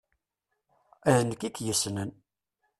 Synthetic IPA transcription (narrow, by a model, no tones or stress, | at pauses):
æðənəkːikjəsnən